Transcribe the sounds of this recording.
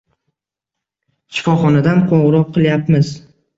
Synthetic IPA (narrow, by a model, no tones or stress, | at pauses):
ʃɪ̥fɒχɒnad̪anqʰɒwɾɒp̚qʰɨlˠjapmɪz